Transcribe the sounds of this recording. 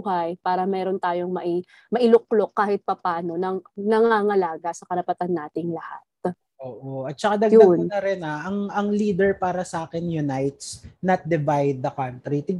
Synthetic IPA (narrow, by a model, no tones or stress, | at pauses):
hajpaːɾɐmɛːɾo̞nt̪aːjo̞ŋmɐʔi | mɐʔɪlʊklokːaːhɪt̪̚pɐpaːno̞nɐŋnɐŋaːŋɐlaːɡɐsɐkɐɾɐpɐt̪anːaːt̪ɪŋlɐhat̪̚ | ʔoːʔoɐt̪̚t͡ʃɐkad̪ɐɡjdoanmnɐɾɛnaʔɐŋɐŋliːd̪ɛɹpaːɾɐsɐʔaːkɛnjʊnajt̪snɐt̪̚d̪ɛvajd̪̚ːɐkant̪ɾit̪ɪɡ